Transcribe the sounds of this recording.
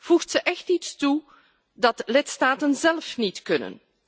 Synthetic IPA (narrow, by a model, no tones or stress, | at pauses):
v̥uxtsəʔɛxtitstu | dɑtlɪtstaːtənzɛlfnitkɵnə̰n